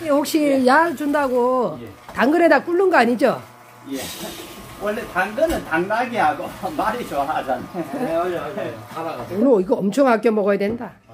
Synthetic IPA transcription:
eɸok̚ɕ͈ijad͡ʑundaɡotaŋɡɯnedak͈uɭːunɡʌaɲid͡ʑo | j | wʌɭːetaŋɡɯnɯntaŋnaɡiɦaɡomaɾit͡ɕoɦad͡ʑane | aɾaonɯiɡʌʌmt͡ɕʰoŋhak͈jomʌɡʌjadwenda

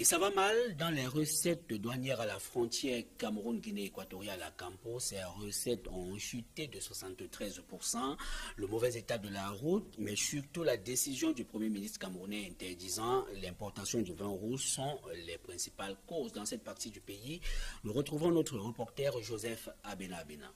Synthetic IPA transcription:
esavamald̪ɑ̃lɛʁəsɛt̪̚dd̪wanjɛʁalafχɔ̃t̪jɛʁkamʁunɡineːkwat̪ɔʁjalakɑ̃posɛʁəsɛt̪ɔ̃ʃyt̪ed̪əswasɑ̃t̪t̪χɛzpuʁsɑ̃ləmovɛzet̪ad̪əlaʁut̪mɛsyʁt̪ulad̪esizjɔ̃d̪ypχəmjeminist̪ʁəkamʁunɛ̃ɛ̃t̪ɛʁd̪izɑ̃lɛ̃pɔʁt̪asjɔ̃d̪yvɛ̃ʁusɔ̃lɛpχɛ̃si̥palkozd̪ɑ̃sɛt̪̚paʁt̪id̪ypeinuʁət̪χuvɔ̃not̪χəʁəpɔʁt̪ɛʁʒozɛfabenaːbena̰

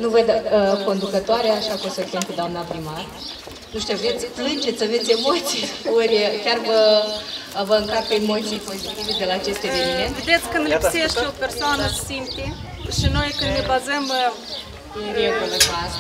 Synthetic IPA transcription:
nuvəd̪əko̞nd̪ukət̪oaɾeaːʃakusəkʲamped̪oamnapɾimar | nuʃt̪iovet̪sʲplɨnd͡ʒet̪sʲəve̞t̪sʲemo̞t̪sʲjoɾʲkʲarvə | vəɨŋkat̪peemo̞t̪sʲijpo̞zit̪ived̪e̞laːt͡ʃe̞st̪e̞ve̞nime̞nt̪ved̪et̪sʲkɨnd̪lipseʃt̪eopersoanəsimpi | ʃino̞jkɨnd̪nebazəm | iɾewkolekaz

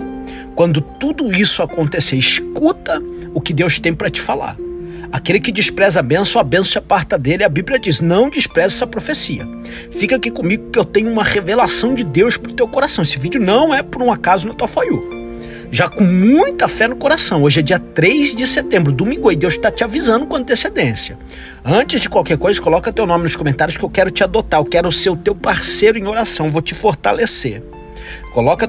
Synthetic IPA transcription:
kwɐ̃nd̪ʊt̪ud̪ʊisʊakõnt̪eseɪʃkut̪ɐ | ʊkɪd̪ewʃt̪ẽj̃pɾɐt͡ʃɪ̥fala̰ɾakelɪkɪd͡ʒɪspɾɛzabẽsoabẽsʊɐpaɾt̪ɐd̪elɪɐbiblijɐd͡ʒisnɐ̃w̃d͡ʒispɾɛzɛsɐpɾofesiɐ | fikakɪkõmiɡʊkɪewt̪ẽɲʊũmɐʁevelasɐ̃w̃d͡ʒɪd̪ewspɾʊt̪ewkoɾasɐ̃w̃esɪvid͡ʒʊnɐ̃w̃ɛpʊɾũakazʊnɐt̪uɐfoju | ʒakõmũj̃t̪ɐfɛnʊkoɾasɐ̃w̃oʒɪɛd͡ʒiɐt̪ɾejzd͡ʒɪset̪ẽmbɾʊd̪ʊmĩɡoɪd̪ewʃt̪at͡ʃɪavizɐ̃nd̪ʊkõɐ̃nt̪esed̪ẽsjɐ | ɐ̃t͡ʃɪzd͡ʒɪkwawkɛɾkojzɐkolɔkɐt̪ewnõmɪnʊskõmẽnt̪aɾjʊskɪewkɛɾʊt͡ʃɪad̪ot̪aɾkɛɾʊseɾʊt̪ewpaɾsejɾʊẽj̃oɾasɐ̃w̃vowt͡ʃɪfoɾt̪aleseɾ | kolɔkɐ

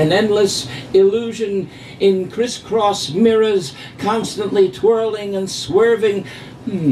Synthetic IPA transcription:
ɨ̃nɛ̃ndˡləsɪlʉʒɨ̃n | ɪ̃nkʰɹ̥ɪskʰɹ̥ɔsmɪɹəz̥ | kʰɑ̃nstə̃nʔlitʰw̥ɜ˞lˠɪ̃ŋɨ̃nswɜ˞vɪ̃ŋ̩

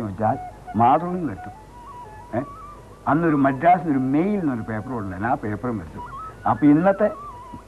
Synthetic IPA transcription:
mʋɐt͡ɕːaːlmaːt̪rɐmnːɨʋɐɾut̪ːu | ɐnːo̞ɾumɐdːaːsɐnoɾumejlnːoɾupe̞ːpːɐrɐuɭlːɐnaːpe̞ːpːɐrɐmʋɐɾut̪ːuɐpːɐːinːɐt̪ːe̞

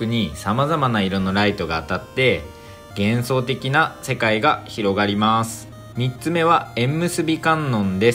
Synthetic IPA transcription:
kɯ̟ɲ̟isamazamanaiɾo̞nːo̞ɾait̪o̞ɡaːt̪at̪ːe̞ | ɡ̥ẽ̞ɰ̃so̞ːt̪̬e̞kʲinase̞kaiɡaçiɾo̞ɡaɾʲimasɨ̥ | mʲitt͡sɨme̞βaẽ̞mːɯ̟sɨbʲikãnːõ̞nd̪e̞s

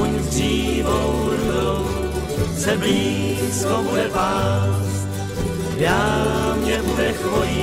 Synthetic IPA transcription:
uɲzdriːvowɾudow | t͡sɛbliː | skowlɛvaːs | jaːmɲɛbudɛxoi

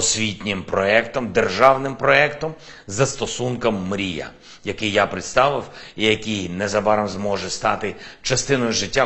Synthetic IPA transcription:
ɔsʲʋʲitʲnʲɪmpɾɔɛkt̪ɔmd̪erʒɑwnɪmpɾɔɛkt̪ɔm | zɐst̪ɔsunkɔmːɾʲijɐ̰ | jɐkɪjjapɾɪt̪st̪ɑʋɪwijɐkijnɛzɐbɑɾɐmzmɔʒɛst̪ɑt̪ɪt͡ʃɐst̪ɪnɔjʊʒɪtʲːa

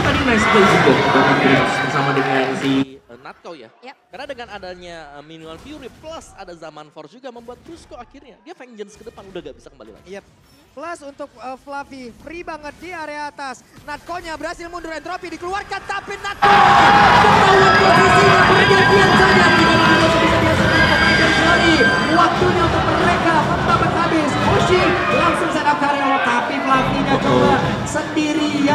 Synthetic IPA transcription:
t̪adinajskəd͡ʒitəbat̪ipɾisbərsamadəŋansiənat̪̚koja̰karnadəŋanadaɲaəminuanfiuɾipləsa̰dazamanfɔrd͡ʒuɡaməmbuat̪̚ːɾuskoakɪrɲadiafɛnd͡ʒənskədəpanudahŋɡaʔbisakəmba̰lila̰ɡija | plasunt̪ʊk̚əflafipɾibaŋət̪̚diaɾeat̪as | nat̪̚koɲabəɾasɪlmunduɾɛnt̪ɾopidikəluarkant̪apɪnːat̪̚k | kt̪awat̪̚pofisiabəaɡabiasad͡ʒadidamadilasabisəndiɾisəniɾikanatərd͡ʒaɾi | wak̚t̪uɲaunt̪ʊk̚məɾekasəmb̪apat̪̚habɪsoʃɪ | laŋsʊŋsadap̚k̪aɾeat̪apiflafiɲat͡ʃola | səndiɾija

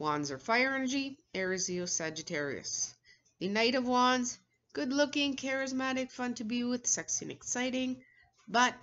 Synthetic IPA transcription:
wɑ̃nzə˞faɪə˞ɛ̃nə˞d͡ʒiɛɹɨzilsæd͡ʒɨtʰɛɹḭɨ̰s | ðɨneɪɾɨvwɑ̃nz | ɡ̥ʊdˡlʊkɪ̃ŋkʰɛɹɨzmæɾɨkfʌ̃ntʰɨbiwɪð̥sɛksɨ̃nɨ̰ksaɪɾɪ̃ŋ | bʌt̚

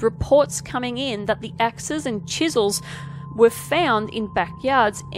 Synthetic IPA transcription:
ɹɨpʰɔɹtskʰʌmɪ̃ŋɪ̃nðət̪̚ðiʔæksɨzɨ̃nt͡ʃʰɪzl̩ˠz | wə˞fãʊ̃ndɪ̰̃nbækjɑɹdz̥ʔ

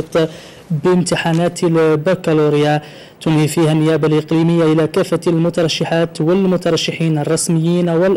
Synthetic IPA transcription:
t̪ˤ | bmt̪ɪħaːnaːt̪bakaluɾja | t̪ʊnhifiːhanːɪjæːbalʔɪqliːməjːaʔɪlakæfːalmʊt̪ɑɾˤɑʃːɪħaːt̪wɪlmʊt̪ɑɾˤɑʃːɪħiːnɑrˤːɑsmɪjːiːnwɪl

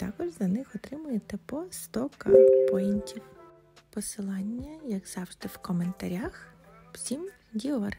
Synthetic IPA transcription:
t̪ɑkɔʒzɐnɪxɔt̪ɾɪmʊjet̪ɛpɔst̪ɔkɐpɔinʲtʲiw | pɔsɪlˠɑnʲːɐjɐɡzɑwʒd̪ɪwkɔment̪ɐɾʲaxw̥sʲim | dʲiɔr

